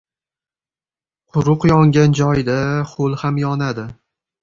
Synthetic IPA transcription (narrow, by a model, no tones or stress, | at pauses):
qʰʊɾʊqjɒŋɡʲand͡ʒɒjd̪aχolˠhamjɒnad̪ɪ